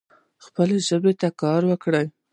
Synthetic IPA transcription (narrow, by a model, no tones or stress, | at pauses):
xpəleʒəbet̪akɑɾwəkɽəj